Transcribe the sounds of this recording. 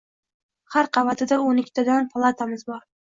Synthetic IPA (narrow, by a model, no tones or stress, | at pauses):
haɾqʰɑvat̪ʰɪd̪aonɪkʲt̪ʰad̪anpʰlˠat̪ʰamɪzbɒɾ